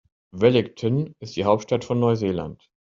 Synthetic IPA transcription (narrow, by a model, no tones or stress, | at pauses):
vɛlɪktʰɔnɪstd̥iːɦaʊp̚tʃtatfɔnːɔʏzeːla̰nt